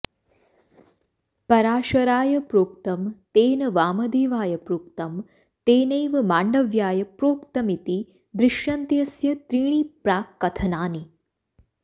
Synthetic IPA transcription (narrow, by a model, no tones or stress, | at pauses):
pɐɾaːʃɐɾaːjɐpɾoːk̚t̪ɐmt̪eːnɐʋaːmɐd̪eːʋaːjɐpɾoːk̚t̪ɐm | t̪eːnejʋɐmaːɳɖɐʋjaːjɐpɾoːkt̪ɐmit̪i | d̪ɾɪʃjɐnt̪jɐsjɐt̪ɾiːɳ̃iːpɾaːkːɐt̪ʰɐnaːni